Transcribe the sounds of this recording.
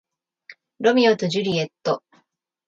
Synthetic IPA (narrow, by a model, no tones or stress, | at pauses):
ɾo̞mʲiot̪oʑɯɾʲie̞t̪ːo